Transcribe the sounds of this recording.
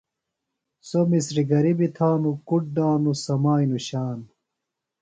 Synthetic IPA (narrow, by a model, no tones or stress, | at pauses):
somisɾiɡɐɾibit̪ʰaːnukuʈ̚ɖaːnusɐmaːinuɕaːn